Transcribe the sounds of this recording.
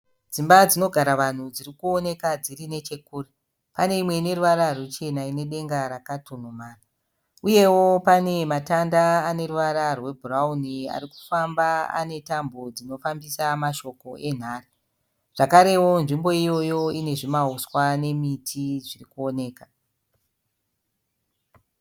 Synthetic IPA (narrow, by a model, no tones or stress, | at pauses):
d͡zimbad͡zino̞ɡʱaɾaʋan̤ud͡ziɾikuo̞ne̞kad͡zirine̞t͡ʃe̞kuːre | pane̞imwe̞ine̞ɾuʋaɾarwet͡ʃe̞naine̞ɗe̞ŋɡaɾakatun̤umaːra | uje̞wo̞pane̞matandaːne̞ruʋaɾarwe̞bʱuraunia̰riku̥fambaa̰ne̞tambod͡zino̞fambisamaʃo̞ko̞ʔe̞n̤aːri | ʐ̥akaɾe̞wo̞nʐimbo̞ijo̞jo̞ine̞ʐimauswane̞mitʰiʐirikuo̞ne̞ːka